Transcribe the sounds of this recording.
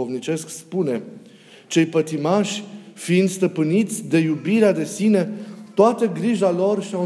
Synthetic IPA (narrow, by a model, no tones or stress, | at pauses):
o̞vnit͡ʃe̞skspune̞ | t͡ʃe̞jpət̪imaʃʲfiind̪st̪əpɨnit̪sʲd̪e̞jubiɾead̪e̞sine̞t̪oat̪əɡɾiʒalo̞rʃia